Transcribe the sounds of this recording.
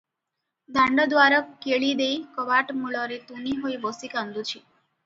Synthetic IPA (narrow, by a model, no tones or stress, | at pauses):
d̪ʱãɳɖɔd̪waɾəkːeɭid̪ejkɔbaʈmuɭɔɾet̪uniɦojbɔsikãnd̪ut͡ʃʰi